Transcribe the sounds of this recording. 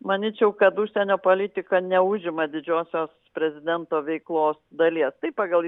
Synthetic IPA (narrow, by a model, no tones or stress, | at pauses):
mɐnʲiːt͡ʃʲɛʊkɐt̪uʃʲsʲɛnʲoːpoːlʲɪt̪ʲɪkɐnʲɛʊʒʲɪmɐd̪ʲɪd͡ʒʲoːsʲoːspʲɾʲɛzʲɪd̪ʲɛnt̪oːʋʲɛɪklˠoːsd̪ɐlʲiɛst̪ɐɪpɑːɡɐlˠ